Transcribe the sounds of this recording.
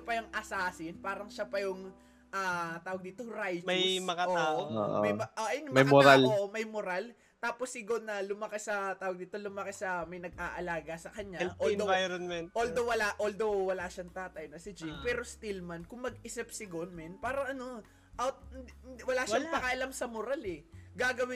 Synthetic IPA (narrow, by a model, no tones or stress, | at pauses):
ɐpɐjɐŋʔɐsaːsɪnpaːɾɐŋʃapɐjʊŋ | ʔaːt̪aːwɐɡ̚d̪iːt̪oɾajt͡ʃɐjmɐŋɐoaːwoo̰ːʔmɐjmɐoʔjnmɐjamoɾaloʔomɐjmoɾal | t̪aːposːɪɡonːɐlʊmɐkɛsɐt̪aːwɐɡ̚d̪iːt̪o̞lʊmɐkɛsɐmɐjnɐɡ̚ʔaːʔɐlaːɡɐsɐkɐɲaʔolovajɾɐnmɛnʔold̪owɐlaʔold̪o̞wwɐlaːʃɐŋt̪aːt̪ɐjnɐsɪd͡ʒɪmpɛːɾo̞st̪ɪlmɐnkʊŋmɐɡɪsɪp̚sɪɡonmɛnpaːɾɐʔɐno̞ | ʔɐt̪̚wɐlaːʃapɐkaʔɐlamsɐmoɾalɛɡaːɡɐwɪ